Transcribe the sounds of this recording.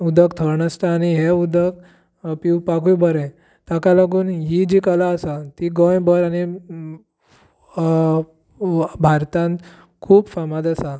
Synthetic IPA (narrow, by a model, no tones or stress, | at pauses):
ud̪ʱəkt̪ʰəɾɳəst̪aːñiɦeud̪ək | piwpakujbəɾɛ̃ | t̪akalaɡuːnɦid͡ʑikəlaəsat̪iɡɔ̃jbəɾañi | bʱaɾt̪ãnt̪ | kʰuːbfamad̪əsa